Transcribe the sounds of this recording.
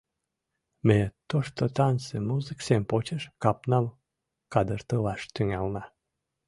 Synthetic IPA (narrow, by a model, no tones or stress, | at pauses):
met̪oʃt̪ot̪ɑnsemuzɨksempot͡ɕeʃkɑpnɑm | kɑd̪ərt̪əlɑʃt̪yŋælnɑ